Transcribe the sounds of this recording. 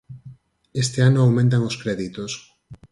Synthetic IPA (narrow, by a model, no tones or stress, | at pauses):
est̪eanoawmẽnt̪̬aŋoskɾɛðit̪os